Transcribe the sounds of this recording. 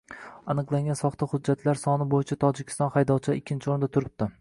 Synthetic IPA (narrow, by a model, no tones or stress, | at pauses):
anɨqlˠaŋɡʲansɒχt̪ʰahʊd͡ʒːat̪ʰlaɾsɒnɪbojɪt͡ʃʰat̪ʰɒd͡ʒɪkʲʰɪ̥st̪ɒnχajd̪ɒwt͡ʃʰɪd̪ɪkʲʰːɪnt͡ʃʰɪoɾnd̪at̪ʰʊɾɪp̚t̪ɪ